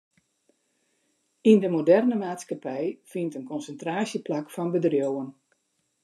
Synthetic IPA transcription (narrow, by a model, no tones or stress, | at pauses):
indəmodɛrnəmaːtskapɛjfintənkɔnsəntraːsjəplakfɔnbədrjowən